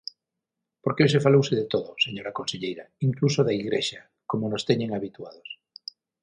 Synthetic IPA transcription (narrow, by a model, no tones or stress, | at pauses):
poɾkeos̬efalowseðet̪oðoseɲoɾakonseʎejɾaiŋklusoðaiɣɾeʃa | komonost̪eɲẽŋaβit̪uaðos